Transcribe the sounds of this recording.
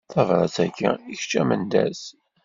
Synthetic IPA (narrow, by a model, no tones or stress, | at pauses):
θævɾˤɑt͡sːækːæ̰içt͡ʃːæmənd̪æ̰s